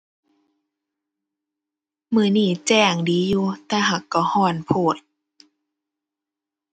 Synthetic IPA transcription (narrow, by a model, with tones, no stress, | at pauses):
mɯː˧˩˦niː˧˥˩t͡ɕɛː˧˩ŋdiː˨˦juː˧t̪ɛː˧ɦa˧˩˦kːɔ˧˩hɔː˧˩npʰoː˧˩t̪̚